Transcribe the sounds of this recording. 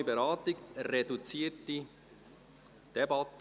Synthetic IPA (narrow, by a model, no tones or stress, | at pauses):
ibeɾɑːtiɡɾedut͡siːəti | d̥ɛbɑt